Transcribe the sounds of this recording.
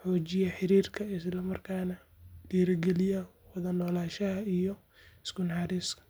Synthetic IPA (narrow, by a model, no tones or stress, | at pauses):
ħɔːt͡ʃɪjɐħɪɾiːrkʰɐɪslɐmɐrkʰaːnɐ | d̥iːɾɐɡɛlɪjɐwɐðɐnɔːlaːʃɐɦɐijɔ | ɪskʊnħɑɾiːskʰɐ̥